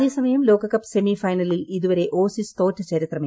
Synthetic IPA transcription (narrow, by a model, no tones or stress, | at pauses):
eːsɐmɐjɐmlo̞ːkɐkːɐpːse̞mifɐjnɐliliðuʋɐɾe̞ʔʔoːsist̪o̞ːtːɐt͡ɕɐɾit̪rɐm